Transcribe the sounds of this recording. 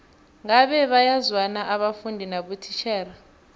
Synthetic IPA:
ŋaɓɛɓajazwanaʔaɓafundʱinaɓutʰi̥t͡ʃʰɛːra

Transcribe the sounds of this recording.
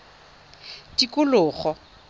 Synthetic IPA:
tikʼʊlʊːχɔ

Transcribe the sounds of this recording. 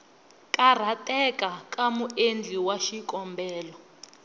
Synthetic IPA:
kʼar̤atʼɛkakʼamuend͡ɮʱiwaʃikʼɔmbʱɛːlɔ

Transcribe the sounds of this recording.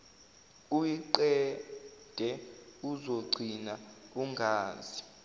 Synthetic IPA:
ujiǀɛ | d̥ʱɛuzoɡ͡ǀʱinauŋɡʱaːzi

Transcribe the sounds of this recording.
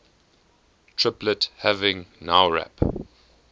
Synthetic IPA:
tʰɹɪpləthævɪ̃ŋnaʊɹæ̰p

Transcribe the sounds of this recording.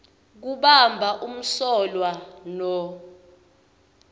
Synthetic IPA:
k̬uɓambʱaʔum̩sɔlwanɔ

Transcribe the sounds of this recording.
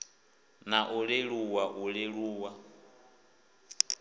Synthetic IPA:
naʔuɺeɺuwaʔuɺeɺuːwa

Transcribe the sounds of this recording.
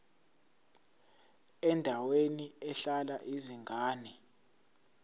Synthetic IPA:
ɛndʱaweniɛɬalaʔiziŋɡʱaːni

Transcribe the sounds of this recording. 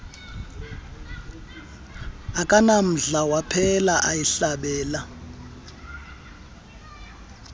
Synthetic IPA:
akʼanam̩ɮawapʰɛlaʔajiɬaɓɛːla

